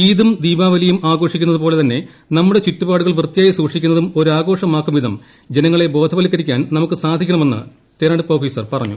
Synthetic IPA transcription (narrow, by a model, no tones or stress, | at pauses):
iːðumd̪iːbaːʋɐlijumaːɡo̞ːʂikʲːunɐðupo̞ːle̞t̪ɐnːe̞ | nɐmːuɽe̞t͡ɕitːubaːɽuɣɐɭʋrt̪ːijaːjisuːʂikʲːunːɐðumo̞ɾuaːɡo̞ːʂɐmaːkːumʋid̪ʱɐm | d͡ʑenɐŋːɐɭe̞bo̞ːd̪ʱɐʋɐlikːɐɾikʲːaːnnɐmukːɨsaːd̪ʱikʲːɐɳɐme̞nːɨ̰ | t̪eːɾɐɳɖɨpoːfiːsɐrpɐrɐɲːṵ